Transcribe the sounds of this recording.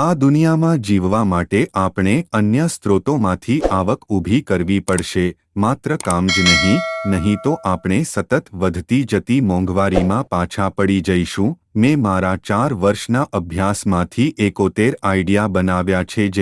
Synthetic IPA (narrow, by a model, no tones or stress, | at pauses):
ad̪unijamãd͡ʒiʋʋamaʈeʔapɳ̃eənjəst̪ɾot̪omãt̪ʰiʔaʋəkubʱikəɾʋipəɽʃe | mat̪ɾəkamd͡ʒnəɦĩnəɦĩt̪oʔapɳesət̪ət̪ʋəd̪ʱt̪id͡ʒət̪imɔ̃ŋɡʋaɾimãpat͡ʃʰapəɽid͡ʒəiʃũ | mɛ̃maɾat͡ʃaɾʋəɾʃnaʔəbʱjasmãt̪ʰiʔekot̪eɾaiɖijabənaʋjat͡ʃʰed͡ʒe